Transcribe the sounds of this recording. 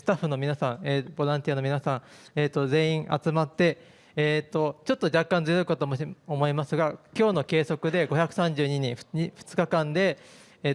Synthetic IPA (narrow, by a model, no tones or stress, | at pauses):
sɨ̥t̪aɸːɯ̟no̞mʲinasãɴ̃eːbo̞ɾãnt̪ʲianomʲinasãɰ̃eːt̪ːo̞ze̞ːĩɰ̃ʔa̰t͡sɨmat̪ːe̞ː | t̪ːo̞t͡ɕo̞t̪ːo̞d͡ʑakːãnd͡zɨjo̞ikat̪oːmoomo̞imasɨɡakʲo̞ːno̞ke̞ːso̞kɯ̟d̪e̞ɡo̞çʲakɯ̟̥sãɲ̟d͡ʑɨːɲ̟iɲ̟ĩɸɯ̥ɲiɸɯ̥t͡sɨ̥kakãnd̪e̞